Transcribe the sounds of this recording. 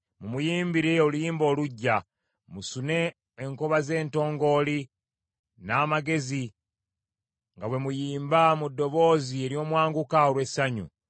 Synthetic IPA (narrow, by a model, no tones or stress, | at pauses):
mumujiːmbiɾe̞olujiːmbo̞ːluɟːa | musune̞ː | ŋkoβaze̞ːnto̞ːŋɡo̞ːli | naːmaɡe̞zi | ŋɡawe̞mujiːmbamudːo̞βo̞ːzie̞ɾio̞ːmwaːŋɡukaolwe̞saɲṵ